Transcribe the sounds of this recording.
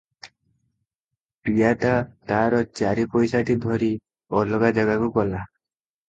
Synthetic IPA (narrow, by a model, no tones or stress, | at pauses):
pijat̪at̪aɾɔt͡ʃaɾipɔjsaʈid̪ʱɔɾi | ɔlɔɡad͡ʒaɡakuɡɔla